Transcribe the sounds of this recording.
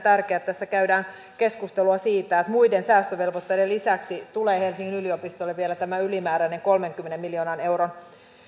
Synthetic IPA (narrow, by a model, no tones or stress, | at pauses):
t̪ærkeæːt̪t̪ːæsːækæydæːn | ke̞skust̪eluɑsiːt̪æːet̪mujdensæːst̪øʋe̞lʋot̪ːejdelisæksit̪uleːhelsiŋːinyliopist̪olːeʋielæt̪æmæylimæːɾæineŋko̞lmeŋkymːenemːiljo̞ːnɑne̞wɾon